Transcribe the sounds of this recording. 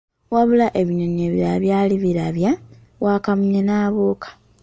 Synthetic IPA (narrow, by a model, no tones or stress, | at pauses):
waβulaʔe̞βiɲoɲeβiɾaβjaːliβiɾaβja | waːkamuɲenaːβoːkḁ